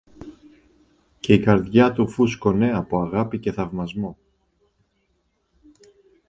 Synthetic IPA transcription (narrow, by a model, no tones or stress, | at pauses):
ce̞ikɐɾðʝɐt̪ufusko̞ne̞ɐpoɐɣɐpice̞θɐvmɐzmo̞